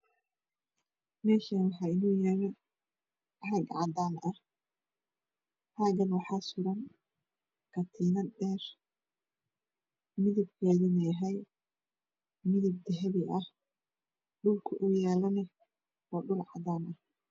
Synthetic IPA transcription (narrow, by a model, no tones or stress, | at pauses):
mɛːʃɐnwɑħɑːɪnuːjɛːlɛ | ħɑɡʕɑ̰d̪aːnʔɐh | ħaːɡɐnwɑħɑːsʊɾɐn | kʰɐt̪ʰiːnɐɖɛːr | mɪðɪb̚kʰɛːðinɛɦɛj | mɪðɪb̚d̪ɛɦɛβɪʔɐh | ɖʊlkʰʊʔʊjɛːlɐnɐ | ɔːɖʊlʕɑd̪aːnɐh